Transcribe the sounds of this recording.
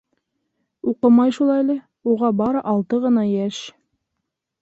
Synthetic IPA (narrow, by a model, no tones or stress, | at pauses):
uqɤmɑjʃulˠɑjlɘ | uʁɑbɑɾʔɑlˠt̪ɤʁɤ̆nɑjæʃ